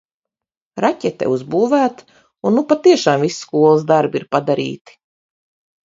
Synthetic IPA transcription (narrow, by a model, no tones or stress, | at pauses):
ɾacʲɛt̪ːɛ̰uzbuːvæːt̪ | unːupat̪iɛʃaːmvisskuɔlˠs̬d̪aɾbiɾpad̪aɾʔḭːt̪i̥